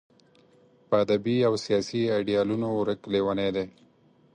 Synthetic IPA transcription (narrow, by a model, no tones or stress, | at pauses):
pəad̪abiawsijɑsiajɖijɑlunoɾəklewaned̪e